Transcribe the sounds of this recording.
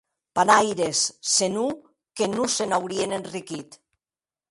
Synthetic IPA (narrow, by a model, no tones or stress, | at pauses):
panajɾesːenu | kenusenawɾienenrikit̪